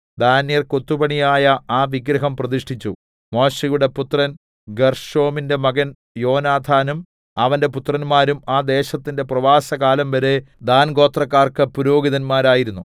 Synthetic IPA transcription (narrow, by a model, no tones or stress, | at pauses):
d̪aːnjɐrko̞t̪ːubɐɳijaːjɐaːʋiɡɾɐɦɐmprɐðiʂʈʰit͡ɕːu | mo̞ːɕɐjuɽe̞put̪rɐn | ɡerʂo̞ːminde̞mɐɡɐn | jo̞ːnaːd̪ʱaːnum | ɐʋɐnde̞put̪rɐnmaːɾumaːd̪e̞ːɕɐt̪ːinde̞prɐʋaːsɐɣaːlɐmʋɐɾe̞d̪aːnɡo̞ːt̪rɐkːaːrkɨpuɾo̞ːɡiðɐnmaːɾaːjiɾunːu